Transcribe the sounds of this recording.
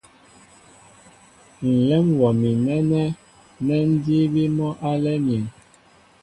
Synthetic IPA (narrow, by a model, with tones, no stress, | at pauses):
n̩˨lɛ˦mwɔ˨mi˨nɛ˦nɛ˦ | nɛ˦n̩˦di˦bi˦mɔ˦ʔa˦lɛ˦mjɛ˨n